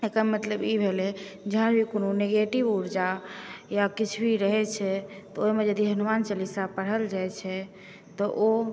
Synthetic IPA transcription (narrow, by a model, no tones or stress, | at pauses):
ekəmət̪ləbibʱelɛd͡ʒeɦənbʱikononeɡeʈibuɾd͡ʒajakit͡ʃʰbʱiɾəɦɛt͡ʃʰɛt̪ɔoimed͡ʒəd̪iɦənumant͡ʃəlisapəɽ̤əld͡ʒaɛt͡ʃʰɛ | t̪ɔʔo